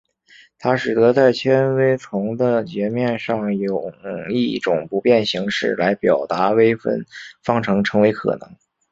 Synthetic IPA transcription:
t̪ʰa˥ʂɻ̩˨˩t̪ɤ˧˥t͡sa˥˩ɪt͡ɕʰjɛ˥nwe˥ɪt͡sʰʊ˧˥ŋd̪ə˧t͡ɕɛ˧˥mjɛ˥˧nʂɑ˥˩ŋjo˨˩ʊi˥˩ʈ͡ʂʊ˨˩ŋpu˧˥pjɛ˥˩nɕi˧˥ŋʂɻ̩˥˩la˧˥ɪpjɑ˨˩ʊt̪a˧˥we˥ɪfə̰˥˩nfɑ˥˩ŋʈ͡ʂʰɤ˧˥ŋʈ͡ʂʰɤ˧˥ŋwe˧˥ɪkʰɤ̰˨˩nɤ̰˧˥ŋ

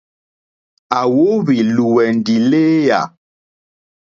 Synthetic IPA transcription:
a˨wo˦βi˨lu˨wɛ˨n˨di˨leː˦ja̰˨

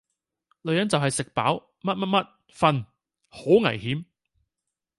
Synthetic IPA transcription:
lɵ˨˧ɥjɐ˨˥nt͡sɐ˨wɦɐ˨jsɪ˨k̚pa̰ː˨˥w | mɐ˥t̚mɐ˥t̚mɐ˥t̚ | fɐ˧n | ho˨˥ŋɐ̰˨˩jhiː˨˥m

